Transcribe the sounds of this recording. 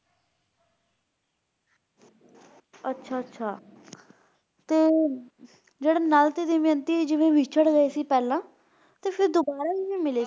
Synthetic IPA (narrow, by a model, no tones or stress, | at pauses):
ətːʃʰaːətːʃʰaː | t̪eː | d͡ʒeːɽeːnalt̪eːd̪iːmənt̪iːd͡ʒɪʋẽːʋʱɪt͡ʃʰəɽɡəeːsiːpɛːlãː | t̪eːpʰɪɾd̪obaːɾaːiːʋĩːmɪleː